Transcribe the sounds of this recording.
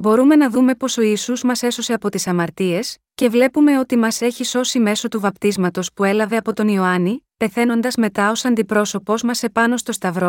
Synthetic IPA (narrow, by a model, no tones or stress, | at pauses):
bo̞ɾume̞nɐðume̞po̞so̞isuzmɐse̞so̞se̞ɐpo̞t̪isɐmɐɾt̪ie̞sce̞vle̞pume̞o̞t̪imɐse̞çiso̞sime̞so̞t̪uvɐpt̪izmɐt̪o̞spue̞lɐve̞ɐpo̞t̪o̞nio̞ɐnipe̞θe̞no̞nd̪ɐzme̞t̪ɐo̞sɐnd̪ipɾo̞so̞po̞zmɐse̞pɐno̞st̪o̞st̪ɐvɾo̞